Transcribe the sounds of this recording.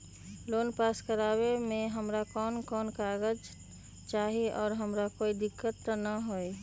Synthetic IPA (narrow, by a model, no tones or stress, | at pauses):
loːnpaːskəɾaːwemẽɦəmɾakɔːnkɔːnkaɡəd͡ʒ | t͡ʃaːɦiɔːɾɦəmɾakoːid̪ɪkːət̪ːənəɦoi